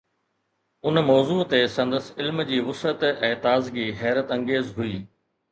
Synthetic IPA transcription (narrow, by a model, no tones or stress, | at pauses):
ʊnmɔːzuːt̪esɐ̃nd̪əsɪlmd͡ʑiːʋʊsət̪ɛ̃ːt̪aːzɡiːɦɛːɾət̪ɐ̃ŋɡeːzɦʊiː